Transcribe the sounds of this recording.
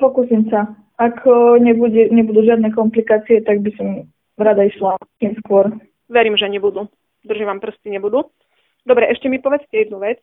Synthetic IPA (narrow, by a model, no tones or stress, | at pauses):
pɔkusimsa | akɲɛbuɟɛɲɛbud̪uːʒɪad̪nɛːkɔmplikaːt͡siɛt̪aɡ̚bisɔm | ɾad̪aiʃlat̪iːmskʊɔɾ | ʋɛɾiːmʒɛɲɛbud̪u | d̪r̩ʒiʋampr̩st͡siɲɛbud̪u | d̪ɔbɾɛʔɛʃcɛmipɔʋɛt͡scɛjɛd̪nuʋɛt͡s